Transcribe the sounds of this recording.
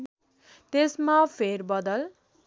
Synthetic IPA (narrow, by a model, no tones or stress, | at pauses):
t̪esmapʰeɾbʌd̪ʌl